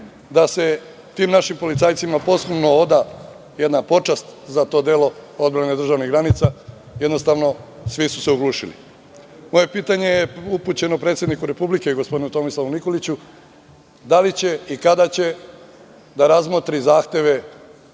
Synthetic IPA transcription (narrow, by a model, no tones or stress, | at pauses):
d̪ase̞ | t̪iːmnaʃimpo̞lit̪saːjt̪simapo̞slumno̞od̪a | je̞d̪napo̞t͡ʂast̪zat̪o̞d̪e̞lo̞o̞d̪bɾane̞d̪ɾr̩ʒaʋniɣɡɾanit̪sa | je̞d̪no̞st̪aːʋno̞sʋisu̥se̞uɡlˠuːʃilḭ | mo̞je̞piːt̪aɲejeupuːt͡ɕe̞nopɾet̪sje̞d̪nikuɾe̞publike̞iɡospo̞d̪inut̪o̞mislˠaʋuniko̞lit͡ɕu | d̪alit͡ɕe̞ikad̪at͡ɕe̞ | d̪aɾazmot̪ɾizaːxt̪e̞ʋe̞